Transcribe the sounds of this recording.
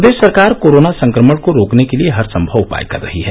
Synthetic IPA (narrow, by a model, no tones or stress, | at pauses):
d̪eːssɐɾkaːɾkoːɾoːnasɐ̃ŋkɾəməɽkoɾoːknekelieɦɐɾsə̃mbʱəʋʊpa̰ːjkɐ̰ɾːɐ̰ɦiɦɛː